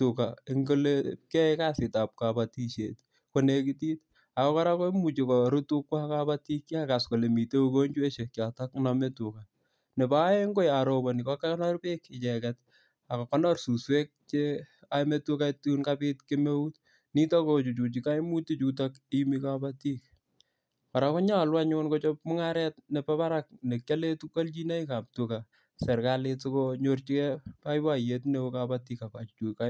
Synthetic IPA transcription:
tukaɪŋɡolekɛ˦kasɪ˨ta˨p̚kabati˦ʃḛ˨t | ko˨ne˨ki˦ti˦t | a˨kɔkɔ˦ɾakɔ˦mu˨t͡ʃikɔɾutu˦kwa˦kabati˦kːi˦aka˨sko˨le˨mi˨te˦uko˦ɲd͡ʒu˦e˦ʃe˨kjatakname˦tuka˨ | ne˨ba˦e˦ŋɡo˦jaɾo˨bɔ˨ni˨kɔ˦kaknɔ˦rpe˦kːɪ˨t͡ʃɛkɛt | a˨kɔ˨kɔ˦nɔ˦rsu˨swe˦k̚t͡ʃe | ametokatunkapitkeme˦ut | ni˦tako˨t͡ʃu˨t͡ʃu˨t͡ʃi˨ka˦jmu˦ti˦t͡ʃut̬akimikapatik | ka˨ɾako˦ɲa˦˨lwa˦ɲonko˦t͡ʃop̚mu˦ŋaɾɛtne˨pa˦pa˦ɾak̚ne˨kjale˦tu˦ko˦lt͡ʃi˦ne˦ika˨p̚tuka˨ | sɛ˨ɾkaletsokoɲort͡ʃi˦kɛ˦pa˦ipa˦˨jetne˦okapa˦ti˦ka˨ka˨t͡ʃu˨t͡ʃu˨ka˦

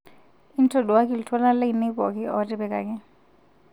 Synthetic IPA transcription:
i˦n̩˦tʰɔ˨du˨wa˦k̬i˨li˨tʰwɔ˦la˦la˦i˨ne˦pɔ˨kɛ˦ɔ˦tʼɛ˦bɛ˦ka̰˨kʼɛ˦

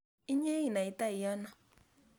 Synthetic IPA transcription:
i˦ɲe˦i˨na˨i˨ta˦i˨ja˦na˨

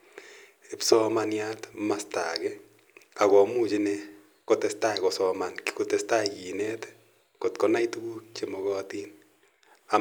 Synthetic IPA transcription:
ɪ˦psɔ˦ma˧nja˦t̪ma˨sta̰˨ɡe˦ | a˨ɡɔ˨mu˦t͡ʃi˦ne˧ | ko˧t̪e˦st̪a˦˨ko˨sɔma˨nki̥˦ko˨t̪e˨sta˦ɡi˨ne˦t̪ | ko˨t̪ko˨na˦jt̪u˦ɡu˦k̚t͡ʃe˨mo˨ɡɔ˦t̪i˦n | a˨

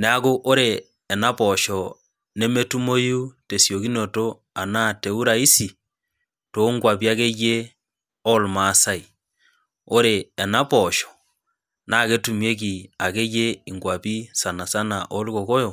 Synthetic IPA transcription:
ne˨a˨ɣo˦ʔo˦ɾeː˨ | na˦poʃo˨ | ne˦me˦tu˦mo˦ju˦te˨sjo˨ɣi˦no˨to˦ | a˨na˦te˨u˦ɾa˨i˦si˨ | to˦ŋɡwa˨βi˦a˦ɣe˦ɣe˦ | o˦lma˦sa˦i˨ | o˦ɾeː˨na˦poʃɔ̥ | na˦ɣe˦tu˨mwje˦kia˨ɣe˦ɣe˦i˨ŋɡwa˨βi˦sa˨na˨sa˦na˨ʔo˦li˦ɣo˨ɣo˦jo˨

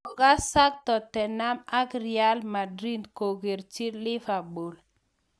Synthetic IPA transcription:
ka˦sa˦k̚tɔ˨tɛ˨na˦ma˦kɾia˦lma˨dɾi˦ndko˨ɡe˨ɾt͡ʃi˦lɪ˦fa˨bo˨l

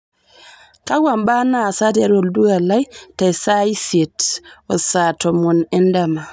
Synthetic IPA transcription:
ka˦wamba˦na˨sa˦dɛɾɔ˨ldu˦ɡa˨la˦jta˨jsa˦i˦fɛ˨tɔ˨satɔ˨mɔ˨nɛ˦ndama˨

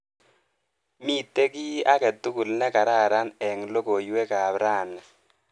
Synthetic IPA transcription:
mi˦t̪ːe˦ki˦a˦kɛ˨t̪ːu˦ku˨lnɛ˦ka˨ɾa˦˨ɾa˦nɛ˨ŋlo˦ko˨jwe˦ka˨bɾa˦˨na˨

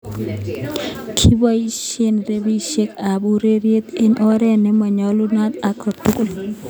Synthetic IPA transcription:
kʰi˦bɔ˦i˦ʃe˦nɾe˦bi˦ʃe˦ka˨bu˦ɾe˦ɾje˦t̪ɪ˦nʔɔ˦ɾɛ˦nɛ˦mɔ˨ɲɔ˦lu˦na˦t̪a˦kɔ˨tu˦kʊ˦˨l

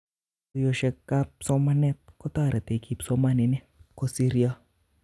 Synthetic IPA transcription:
jo˧ʃɛ˧kːa˦psɔ˦ma˦nɛ˦t̪̚kɔ˦t̪a˦˨ɾɛ˨t̪e˨ki˨psɔ˦ma˦ni˨nɛ˦ | ko˦si˦ɾia˦

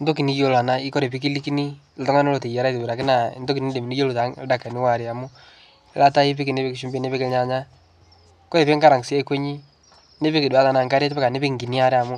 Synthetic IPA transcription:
n̩do˦ki˨ni˦jo˦la˨na˦i˦kɔ˦ɾe˨p̬i˦ki˦li˦ki˦ni˦ | ltɔ˦ŋa˦no˦lo˨te˨ja˨ɾa˦te˨u˨ɾa˨kɪ˦na̰˨ndo˦ki˨ni˦de˨mi˨ni˦jo˦lu˨ta˨˦da˨ka˨nɪ˦wa˨ɾe˨a˨mʊ˦ | la˦ta˦i˦p̬i˦kɪ˨ne˦pe˦kɪ˨ʃu˦mbe˦ne˦pe˦kɪ˦ɲa˨ɲa˦ | kɔ˦ɾe˨pe˦ŋɡa˦ɾa˨ŋ˨si˦e˦ke˦ɲi˦ | ne˦pe˦kɪ˨du˨a˦ta˨na˨ŋɡa˦ɾe˦tpɛ˦ka˨ne˦pe˦ŋ˨ɡi˨ni˦a˦ɾɛ˦a˨mu˦

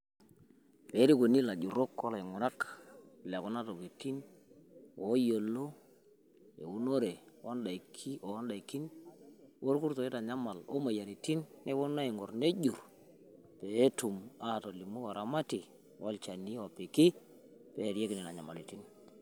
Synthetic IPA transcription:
pe˨˦ɾi˦ko˨ni˦la˨d͡ʒu˨ɾo˦kɔ˦la˨ɪ˨ŋʊ˨ɾa˦kla˨kɔ˦na˦to˨ki˨ti˦n | o˨˦jo˨lo˦ | ḛ˨u˦no˦ɾe˨wɔ˦nda˨kʰi˦o˨˦nda˨i˨ki˦n | wo˦ɾku˦ɾto˨i˦ta˨ɲa˦ma˨lo̰˦ma˨ja˨ɾi˨ti˦nːɛ˦bɔ˦na˦ɪ˨ŋɔ˨ɾne˦d͡ʒu˨r | pe˨˦tu˨ma˦˨to˨li˨mu˦a˨ɾa˨ma˦ti˨ | wɔ˦lt͡ʃa˨ni˦ɔ˨pɪ˨kɪ˦ | pɛ˨˦˨ɾje˦kɪ˨nɛ˨na˨ɲa˨ma̰˨li˨ti˦n

